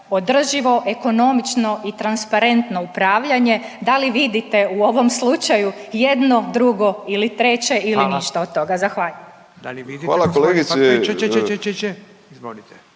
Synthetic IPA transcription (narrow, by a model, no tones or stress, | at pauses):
od̪r̩ʒiʋo̞ʔe̞ko̞no̞mit͡ʃno̞ʔit̪ɾanspaɾe̞nt̪no̞upɾaːʋʎaɲe̞d̪aliʋid̪it̪e̞uo̞ʋo̞mslˠut͡ʃajuje̞d̪no̞d̪ɾuɡo̞ilit̪ɾe̞t͡ɕe̞ʔiliniʃt̪aod̪̚t̪o̞ɡazaxʋaʎuje | xʋaːlˠakoleɡisɛ